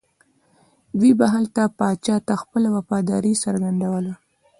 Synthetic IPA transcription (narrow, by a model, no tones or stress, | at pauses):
wibaɦalt̪apɑt͡ʃɑt̪axpəlawafɑd̪ɑ̰ɾisaɾɡand̪awəla